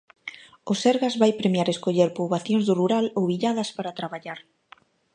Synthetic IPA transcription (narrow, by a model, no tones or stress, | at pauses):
ʊseɾɣazβajpɾemjaɾeskoʎeɾpoβaθjõŋzðʊruɾalowβiʎaðɐspaɾat̪ɾaβaʎaɾ